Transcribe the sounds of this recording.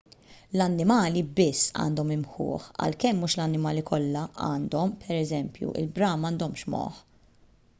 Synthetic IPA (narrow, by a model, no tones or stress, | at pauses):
lɐnːɪmɐːlibɪsːɐ̰ːnd̪ɔmɪmħʊ̰ːħɐ̰lkɛmːuːʃlɐnːɪmɐːlikʰɔlːɐʔɐːnd̪ɔmpʰɛɾɛzɛmpjṵʔɪ̰lbɾɐːmɐːnd̪ɔmʃmɔ̰ħ